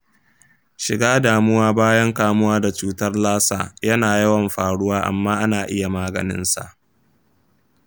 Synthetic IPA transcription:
ʃɪ˨ɡaː˦daː˨mʊ˦waː˦baː˦jɐ˦ŋkaː˦mʊ˦waː˦da˨t͡ʃuː˦tɐ˦rlaː˦sa̰ː˨jɐ˦naː˨jɐ˦wɐ˨mɸaː˨ɽʊ˦waː˦ʔa̰˨mːaː˦ʔa˦naː˨ʔɪ˦ja˨maː˦ɡɐ̰˨nɪ̰˦nsa̰˨ʔ

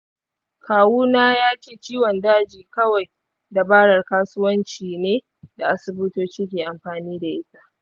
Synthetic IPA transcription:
kʰaː˨wuː˦naː˦jaː˦keː˨t͡ʃiː˦wɐ˨ndaː˦d͡ʒiː˨kɐ˦wa˨j | da˨baː˦ɽɐ˨rkaː˦sʊ˦wɐ˦nt͡ʃiː˨neː˦ | da˨ʔa˨sʊ˨bʊ˦toː˦t͡ʃiː˦kʲeː˨ʔa˨mɸaː˨niː˦da˨ʔɪ˦sa˦˨ʔ

